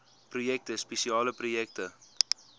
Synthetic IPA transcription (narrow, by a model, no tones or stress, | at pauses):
prujɛk̚təspɛsiɑːləprujɛk̚tə